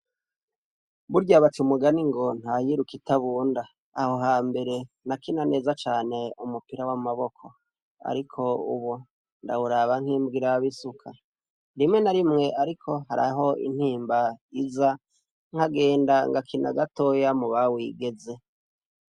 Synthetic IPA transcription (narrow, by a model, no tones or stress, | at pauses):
βuɾɟaβatiumuɡaniŋɡo̞n̥hajiɾukitaβuːndaː | ho̞ɦaːmbe̞ɾe̞ | nakinane̞ːzat͡ʃaːne̞umupiɾawamaβo̞kʰo | a̰ɾikʰo̞ṵβu | ndauɾaβaŋ̥hiːmbɡiɾajaβisukʰa | ɾimŋe̞naɾimŋe̞ʔaɾikʰo̞ɦaɾa̰ɦo̞ḭn̥hiːmbaiza | ŋ̥haɡe̞ːndaŋɡakʰina̰ɡato̞jamuβawiɡe̞ze̞